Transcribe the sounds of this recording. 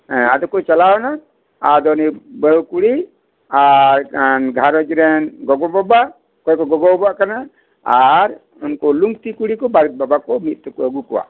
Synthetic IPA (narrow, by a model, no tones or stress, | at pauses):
ɛ̃ad̪ɔkɔt͡ʃalawna | ad̪ɔnibəkuɽi | aɾnɡʱaɾɔd͡ʒɾɛnɡɔɡɔbɔba | kɔjkɔɡɔɡɔbɔbaʔkana | aɾ | unkɔluŋɡt̪ikuɽikɔbaɾit̪̚babakɔmit̪̚ˀt̪ɔkɔəɡukɔwa̰ʔ